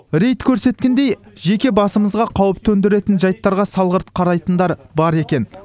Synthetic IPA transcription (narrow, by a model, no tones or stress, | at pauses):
ɾe̞jt̪kʲʰɵɾse̞t̪̚kʲe̞nd̪e̞jʒe̞kʲe̞bɑsəməzʁɑqʰɑwəp̚t̪ʰɵnd̪ɪɾe̞t̪ɪnʒɑjt̪ːɑɾʁɑsɑlˠʁəɾt̪qʰɑɾɑjt̪ənd̪ɑɾbɑɾe̞kʲe̞n